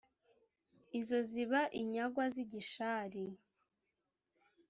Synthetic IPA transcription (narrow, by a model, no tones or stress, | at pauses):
izo̞ziβaʔiɲaɡwaziɟiʃaɾi